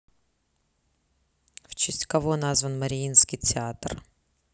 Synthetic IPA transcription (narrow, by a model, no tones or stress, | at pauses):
ft͡ɕɪsʲtʲkɐvonazvənməɾʲɪinskʲɪjtʲɪat̪r